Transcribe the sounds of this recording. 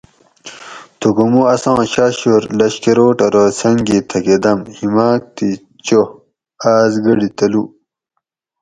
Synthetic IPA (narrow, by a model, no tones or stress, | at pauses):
t̪oɡumuɐsãːɕaːɕoɾlɐɕkeɾoːʈɐɾosɐŋɡit̪ʰɐked̪ɐmhimaːk̚t̪i | t͡ɕo | aːzɡɐɽit̪ɐlu